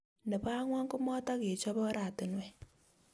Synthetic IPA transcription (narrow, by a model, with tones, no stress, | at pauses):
nɛ˨pa˦ŋwa˦ŋkʊ˦mɔ˦ta˦ke˨t͡ʃɔ˦bɔ˦ɾa˨tɪ˨nwɛ˨